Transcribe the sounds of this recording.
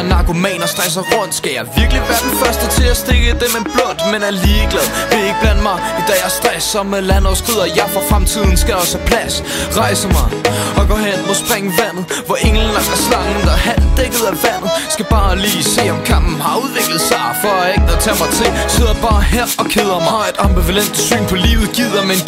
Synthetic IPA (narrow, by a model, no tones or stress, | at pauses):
nɑ̈ɡ̥ʰo̝mɛ̰ːnɐsd̥ʁɛs̬ɐʁɔn̰d̥sɡ̥æjɑ̈ɪʋiɐɡ̥liʋæːɐd̥enfɶɐsd̥ət͡sʰe̝læsd̥e̝ɡ̥əd̥emenb̥lɔ̽n̰d̥menæɐliːɡ̥lɛðˠʋe̝e̝ɡ̥əb̥læn̰d̥̚mɑ̈ɪd̥ɛjɑ̈ɪsd̥ʁɛsɐmelænɒsɡ̥ʁið̞̰ˠɐjɑ̈ɪfɒfʁamt͡sʰið̞̰ˠn̩sɡ̥æɒ̽sæpʰlæs | ʁɑ̈ɪsəmɑ̈ɪɒ̽ɡ̥ɒ̰ːɦen̰ɒsɡ̥ʰʁɛŋ̰ʋæn̰ð̞̩ˠ | ʋɒʔeŋln̩æ̥æslɑ̈ŋn̩d̥ɑɦæl̰d̥eɡ̥ð̩ˠæʋæn̰ð̩ˠsɡ̥æb̥ɑ̈ːliːse̝̰ːɒ̽mkʰɑ̈m̰b̥n̩hɑ̈uðˠʋe̝ɡ̥lð̩ˠsɑ̈ɪfɒeɡ̥̚ɒt͡sʰɛ̰mɑ̈ɪt͡sʰe̝lse̝ð̰ˠɐb̥ɑ̈ːɦeɐɒ̽kʰeð̞ˠɐmɑ̈ɪe̝d̥ɑ̈mb̥iʋælen̰d̥sy̰ːnpʰɒ̽lḭːʊð̩ˠɡ̥ið̰ˠɐmen